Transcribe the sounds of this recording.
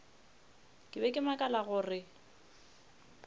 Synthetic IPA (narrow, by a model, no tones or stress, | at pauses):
kʼɪbɛkʼɪmakʼalaɣʊːrɪ